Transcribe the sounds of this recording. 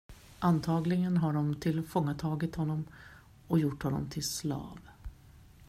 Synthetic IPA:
ʔant̪ʰɑːɡlɪɡənɦaɖɔmt̪ʰɪlfɔŋːat̪ʰɑːɡɪt̪hɔnːɔm | ɔjʊʈːhɔnːɔ̰mt̪ʰɪlslɑ̰ːv

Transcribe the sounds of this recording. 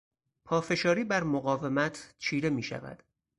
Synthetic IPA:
pʰɒːfe̞ʃɒːɾiːbæɾmoɣɒːve̞mæt̪ʰt͡ʃʰiːɾe̞miːʃæ̰væ̰d̪̥

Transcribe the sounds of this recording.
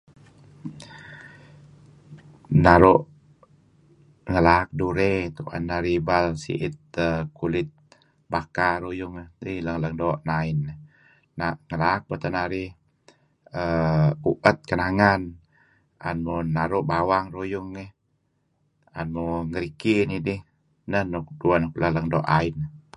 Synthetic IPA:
naɾuʔ | ŋəlak̚duɾet̪uʔa̰nːaɾibalsḭʔɪt̪̚əkulɪt̪̚ | bakaɾujʊŋiləŋləŋdoʔnaɪnː | aŋəlaːk̚bət̪ənaɾi | əuʔət̪̚kənaŋan | ʔa̰nmunaɾuʔbawaŋrujuŋːəh | a̰nmuŋəɾikinidih | nəhnuk̚duanuklaləŋdoʔainə

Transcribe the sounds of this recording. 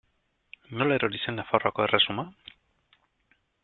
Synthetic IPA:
no̞laeɾoɾisenafaroako̞e̞resuma

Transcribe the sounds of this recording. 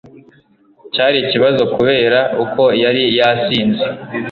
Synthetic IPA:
caːɾiciβazo̞kuβe̞ːɾaʔukʰo̞jaɾijasiːnze

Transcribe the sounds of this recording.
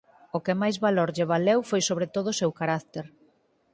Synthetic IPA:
okɪmajzβaloɾʎeβ̞alewfojsoβɾet̪oðʊsewkaɾakt̪eɾ

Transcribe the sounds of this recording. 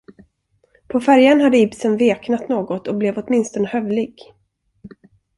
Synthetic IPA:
pʰɔfæɾjanɦad̪ːəɪbsənveːknat̪noːɡɔt̪ɔblɛvɔt̪mɪnst̪ɔnəhœvlɪɡ

